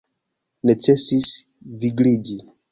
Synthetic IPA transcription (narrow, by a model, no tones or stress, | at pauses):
net͡ʃɛsis | viɡlid͡ʒi